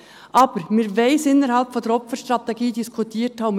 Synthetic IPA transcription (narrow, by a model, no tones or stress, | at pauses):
ʔɑːb̥əɾmɪːɾvaɪsɪnəɾhɑlpfɔnd̥ɛɾɔpfəɾʃtʁɑt̪ɛɡiːdiskʰʊtʰiːthɑʊm